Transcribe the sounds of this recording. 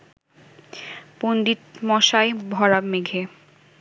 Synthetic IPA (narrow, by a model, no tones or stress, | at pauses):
pond̪it̪mɔʃaebʱɔɾameɡʱe